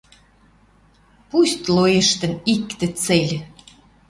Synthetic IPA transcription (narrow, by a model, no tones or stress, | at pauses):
pust̪lojĕʃt̪ə̆nikt̪ĕt͡selʲ